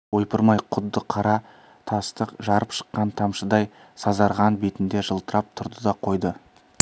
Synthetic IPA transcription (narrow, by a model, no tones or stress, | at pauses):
wo̞jpəɾmɑjqʰʊd̪ːəqʰɑɾɑ | t̪ʰɑst̪əqʒɑɾəpʃə̥qːɑnt̪ʰɑmʃəd̪ɑj | sɑzɑɾʁɑnbet̪ɪnd̪eʒəlˠt̪əɾɑp̚t̪ʰʊɾd̪əd̪ɑqʰo̞jd̪ə